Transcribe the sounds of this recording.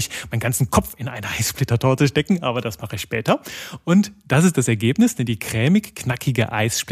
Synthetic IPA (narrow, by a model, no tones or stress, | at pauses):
ɪçmaɪnɡ̥ant͡ssn̩kʰɔfɪnʔaɪnəʔaɪsʃplɪtɐtʰoːt͡suʃtɛkŋ̩ʔa̰ːbɐdasmaχəɪçʃpɛːtɐʔʊntd̥asɪs̬t̚d̥asɛɐɡeːpnɪsd̥ɛndiːkʁ̥ɛːmɪçknakʰɪɡə̰ʔa̰ɪsʃp